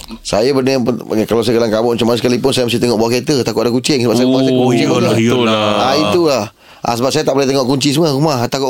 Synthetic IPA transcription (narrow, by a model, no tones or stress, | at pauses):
sajabənəapkalaws̬ajəɡalaŋkabʊʔmat͡ʃamansəkalipʊnsajəməs̬iht̪əŋɔʔbaket̪ət̪akʊʔdakut͡ʃɪŋsəbap̚sajaɣumasila | ait̪ulah | ʔa̰səbap̚sajat̪aʔboleht̪əŋɔʔkuɲt͡ʃisəmarumaht̪akʊʔ